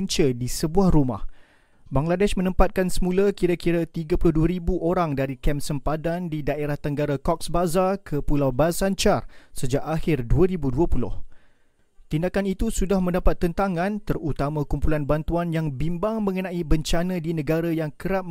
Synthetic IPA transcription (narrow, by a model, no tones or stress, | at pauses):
ɲt͡ʃədisəbuahruma̰h | baŋladɛʃmə̃nə̃mpat̪̚kansəmũləkiɾakiɾat̪iɡəpulʊhduəɾibuʔoɾaŋdaɾikɛmsəmpadandidaʔeɾaht̪əŋɡaɾakɔk̚sbazarkʰəpulawbasant͡ʃarsəd͡ʒaʔahɪrduəɾibuduəpulʊ̰h | t̪indakanit̪usudahmə̃ndapat̪ːənt̪aŋãnt̪ərut̪amãkumpulanbant̪uanjaŋbimbaŋmə̃ŋənãʔibəɲt͡ʃanə̃dinə̃ɡaɾajaŋkəɾap̚